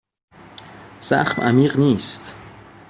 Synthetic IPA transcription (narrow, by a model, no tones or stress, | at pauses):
sa̰χmʔa̰miʁnist̪